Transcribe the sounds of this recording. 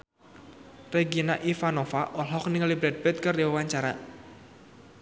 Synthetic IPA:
reɡinaʔifanofaʔɔlɦɔk̚niŋlibɾɛd̪̚bɛt̪̚kərdiwəwaɲt͡ʃaɾa̰

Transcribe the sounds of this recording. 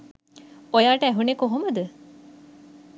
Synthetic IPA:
ojaːʈəæɦunekoɦoməd̪ə

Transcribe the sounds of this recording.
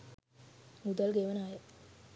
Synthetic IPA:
mud̪əlɡeʋənajə

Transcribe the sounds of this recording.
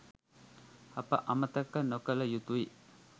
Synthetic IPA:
ɐpə̰ʔɐmət̪ɐkːənokələjut̪ui

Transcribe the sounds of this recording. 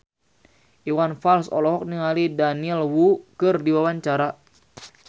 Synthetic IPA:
ʔiwanfalsɔ̰lɔɦɔk̚niŋalidaniɛlwukɨrdiwawaɲt͡ʃaɾa

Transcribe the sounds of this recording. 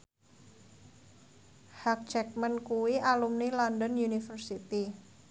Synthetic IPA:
hak̚t͡ʃɛk̚mənkuwialumnilɔndənjunifərsit̪i

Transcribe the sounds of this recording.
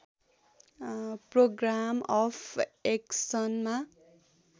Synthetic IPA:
proɡramʌpʰeksʌnma

